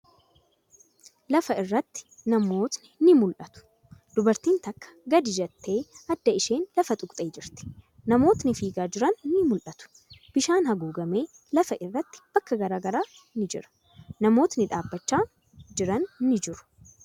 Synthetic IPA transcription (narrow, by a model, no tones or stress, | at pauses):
lɐfɐɪrːɐt̪ːɪ̥nɐmo̞ːt̪nɪnɪmʊlʔɐt̪ʊ̥ | d̪̥ʊbɐɾt̪iːnt̪ɐkːɐ̥ɡɐd̪ɪd͡ʒɛt̪ːe̞ːɐd̪ːɐɪʃe̞ːnlɐfɐt̪ʼʊkʼt̪ʼeːd͡ʒɪɾt̪ɪ̥ | nɐmo̞ːt̪nɪfiːɡaːd͡ʒɪɾɐnnɪmʊlʔɐt̪ʊ̥ | b̥ɪʃaːnhɐɡuːɡɐme̞ː | lɐfɐʔɪrːɐt̪ːɪ̥b̥ɐkːɐɡɐɾaːɡɐɾaː | nɪd͡ʒɪ̰ɾɐ̥ | nɐmo̞ːt̪nɪᶑ̪aːbːɐt͡ʃːaː | d͡ʒɪɾɐnːɪd͡ʒɪɾʊ̥